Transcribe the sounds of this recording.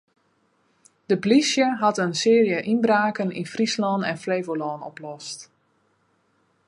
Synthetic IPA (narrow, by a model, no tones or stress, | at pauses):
d̥əplisjəɦɑtənsɪːrijəʔinbraːkənḭnfrislɔnɛ̰nfleːvolɔːnɔ̰plɔst